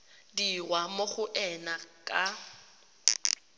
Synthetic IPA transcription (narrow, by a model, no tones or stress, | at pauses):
dirwamoχʊʔɛnakʼa